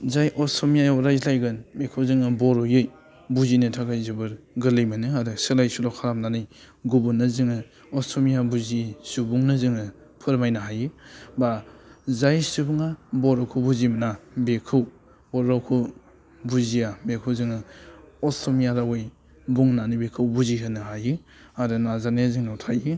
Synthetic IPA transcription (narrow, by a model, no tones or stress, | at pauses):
zajʔɔsʰɔmijajawɾajzlajɡɯnbekʰɯwzɯŋɯbɔɾɔjɯj | buzinɯtʰaɡajzɯbɯɾ | ɡɯlɯjmɯnɯaɾɯselajsulɔkʰaɾap̚nanɯj | ɡubunːɯzɯŋɯ | ɔsʰɔmijabuzisubuŋnɯzɯŋɯ | pʰɯɾmajnaɦajɯbazajsubuŋabɔɾawkʰubuzimnabekʰɯw | bɔɾawkʰu | buzijabekʰɯwzɯŋɯɔstʰɔmijaɾawaj | buŋnanibekʰɯwbuziɦɯnɯɦajɯ | aɾɯnazaneziŋawtʰajɯ